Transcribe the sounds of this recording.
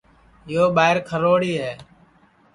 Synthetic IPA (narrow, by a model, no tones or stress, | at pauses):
ɪjoːɓaːɪɾkʰəɾoːɽiːɦɛː